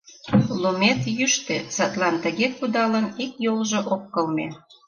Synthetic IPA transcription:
lomet̪jyʃt̪esɑt̪lɑnt̪əɣekud̪ɑlənikjolʒoʔokːəlme

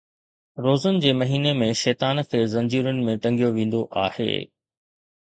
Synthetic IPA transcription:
ɾoːzʊnɪ̆d͡ʑeːmɐɦiːnemẽʃɛːt̪aːnkʰeːzɐ̃ɲd͡ʑiːɾʊnɪ̆mẽʈɐ̃ŋɡʱijoʋẽːn̆d̪oʔaːhḛː

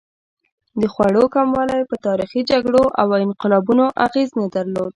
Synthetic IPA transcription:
d̪əxwaɽokamwɑlajpət̪ɑɾixid͡ʒaɡɽoʔawɪnqɪlɑbunoʔaɣeznad̪aɾlod̪̚

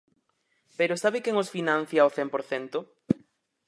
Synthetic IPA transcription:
peɾosaβɪkɛŋosfinãn̟θjaoθɛmpoɾθɛnt̪ʊ

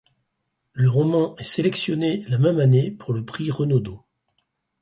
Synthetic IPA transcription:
ləʁɔmɑ̃ɛselɛksjɔnelamɛmanepuʁləpχiʁənod̪o

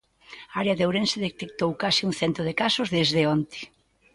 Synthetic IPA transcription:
aaɾeaðowɾenseðet̪ek̚t̪owkasiuŋθɛnt̪oð̞ekasʊzðezðeɔnt̪ɪ̥

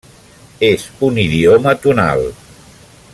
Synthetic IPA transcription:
ezuniðiomət̪una̰lˠ

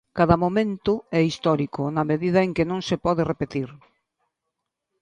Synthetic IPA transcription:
kaðɐmomẽnt̪ʊɛist̪ɔɾikʊnɐmeðiðɐeŋkɪnõŋsepɔðɪrepet̪iɾ

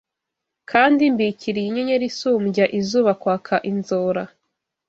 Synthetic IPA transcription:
kʰaːndimbiciɾijiɲeɲeɾisuːmɟaʔizuːβakwaːkʰaʔinzoːɾa

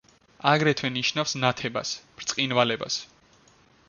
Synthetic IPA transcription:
aɡɾɛt̪ʰwɛniʃnafsnat̪ʰɛba̰sb̥ɾt̪sʼqʼinvalɛba̰s

